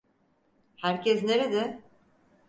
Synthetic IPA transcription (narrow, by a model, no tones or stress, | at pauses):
hæɾcɛsneɾed̪ɛ